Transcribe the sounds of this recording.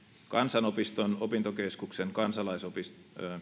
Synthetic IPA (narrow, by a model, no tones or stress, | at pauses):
kɑnsɑnopist̪onopint̪okeskukseŋkɑnsɑlɑisopis